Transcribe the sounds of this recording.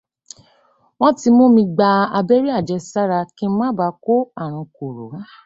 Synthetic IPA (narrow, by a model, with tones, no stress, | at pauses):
w̃ɔ̃˦ti˧mo˦mĩ˧ɡ͡ba˧a˧be˦ɾi˦a˦˨d͡ʒɛ˧sa˦ɾa˧kĩ˧˦mã˦ba˧˦ko˦a˦˨ɾũ˧ko˨ɾo̰˨˦